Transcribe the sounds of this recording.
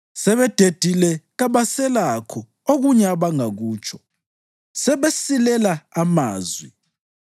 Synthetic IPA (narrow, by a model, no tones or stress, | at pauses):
sɛβɛd̥ʱed̥ʱilɛɣaβasɛlakʰɔ | oɣuɲɛaβaŋaɣuːt͡ʃʼʰɔ̥ | sɛβesilɛlaamaːzwi